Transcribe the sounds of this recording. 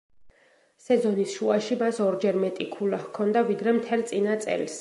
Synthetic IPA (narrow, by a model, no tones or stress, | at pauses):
sɛzɔnisʃuaʃimasɔɾd͡ʒɛɾmɛt̪ʼikʰulahkʰɔnd̪avid̪ɾɛmt̪ʰɛlt̪sʼinat̪sʼɛ̰ls